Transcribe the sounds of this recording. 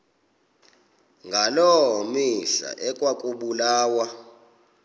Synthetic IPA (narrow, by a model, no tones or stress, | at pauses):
ŋɡʱalɔmisa̰ʔɛkʼwakʼuɓulaːwa